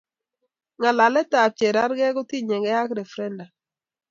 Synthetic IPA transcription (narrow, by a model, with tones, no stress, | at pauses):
ŋa˨la˨lɛ˦ta˨t͡ʃe˨ɾa˦ɾɡɛ˦ɡʊ˦ti˦ɲɛ˨ɡɛ˦a˦kɾɛ˨fɾɛ˦nda˨